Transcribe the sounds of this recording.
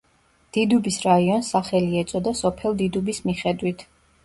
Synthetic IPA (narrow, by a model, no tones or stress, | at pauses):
d̪̥id̪ubisɾaiɔnsaχɛliɛt̪sʼɔd̪asɔpʰɛlˠd̪id̪ubismiχɛd̪wit̪ʰ